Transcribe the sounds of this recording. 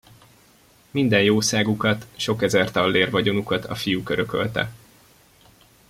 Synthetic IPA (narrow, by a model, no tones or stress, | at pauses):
mind̪ɛnjoːsaːɡukɒt̪ʃo̞kɛzɛrt̪ɒlːeːrvɒɟo̞nukɒt̪ɒ̰fijukøɾøkø̰lt̪ɛ̰